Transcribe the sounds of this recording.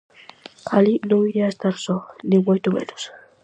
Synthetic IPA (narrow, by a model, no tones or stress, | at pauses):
alinõŋiaest̪aɾsɔnĩŋmojt̪uβḛlʊ̥s